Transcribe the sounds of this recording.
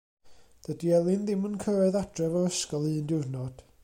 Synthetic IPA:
d̥ədiɛlˠɪnðɪmənkʰəɾɛðad̥rɛvɔəskɔlˠɨːndɪrnɔd̥

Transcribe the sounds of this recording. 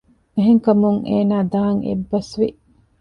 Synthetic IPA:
eɦeŋkɐmuŋḛːnaːd̪aːŋʔḛbːɐsʋeʔ

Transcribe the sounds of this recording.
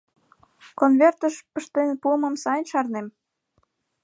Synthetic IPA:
konβert̪əʃpəʃt̪enpuəmə̆msɑjnʃɑrnem

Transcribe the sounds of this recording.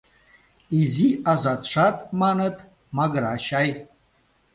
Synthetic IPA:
iziazad̪ʂatʼmanɨtʼ | maɡɾaʃaj

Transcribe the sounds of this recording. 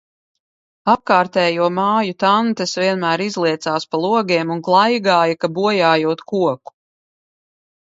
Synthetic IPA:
ap̚kaːɾt̪ɛːjuɔmaːjut̪ant̪esviɛnmæːɾizlˠiɛt̪saːspalˠuɔɡʲeːmunɡlˠajɡaːjakabuɔjaːjuɔːt̪kuɔku̥

